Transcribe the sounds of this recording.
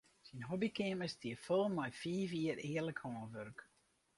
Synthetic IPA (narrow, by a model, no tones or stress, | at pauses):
sinɦɔbikɪəməstʰiəfolˠmɔjfiːfiərɪːərləkhoːnʋørk